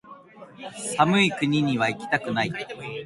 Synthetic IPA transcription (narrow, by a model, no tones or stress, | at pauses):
samɯ̟ikɯ̟ɲ̟iɲ̟iβ̞aikʲi̥t̪akɯ̟nai